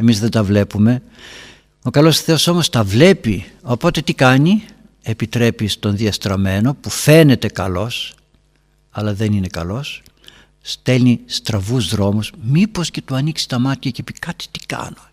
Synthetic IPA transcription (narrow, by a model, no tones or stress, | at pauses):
e̞mizðed̪ɐvle̞pume̞ | o̞kɐlo̞sθeo̞so̞mo̞st̪ɐvle̞pio̞po̞t̪e̞t̪ikɐɲi | e̞pit̪ɾe̞pist̪o̞nðiɐst̪ɾɐme̞no̞pufe̞ne̞t̪e̞kɐlo̞s | ɐlɐðe̞nine̞kɐlo̞sː | t̪e̞lnist̪ɾɐvuzðɾo̞musmipo̞sce̞t̪uɐniksi̥t̪ɐmɐt̪çɐcepikɐt̪i̥t̪i̥kɐ̰no̞